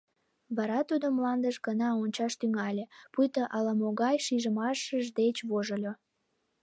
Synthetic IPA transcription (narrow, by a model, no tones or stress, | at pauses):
βɑɾɑt̪ud̪omlɑnd̪əʃɡənɑonʲt͡ɕɑʃt̪yŋɑlʲepujt̪əʔɑlɑmoɣɑjʃiʒəmɑʃəʒd̪et͡ɕβoʒəlʲo